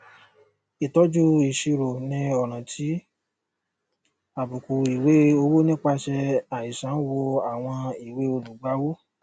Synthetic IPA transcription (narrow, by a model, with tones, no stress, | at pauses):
i˨tɔ˨˦d͡ʒu˦i˨ʃi˧ɾo˨nĩ˧˦ɔ˨ɾ̃ã˨tʰi˨˦ | a˨bu˨ku˨i˨we˨˦o˧wo˦nĩ˦k͡pa˧ʃɛ˧a˨i˨sã˨˦wɔ˧a˦˨w̃ɔ̃˧i˨we˨˦o˧lu˨ɡ͡ba˨˦wo˦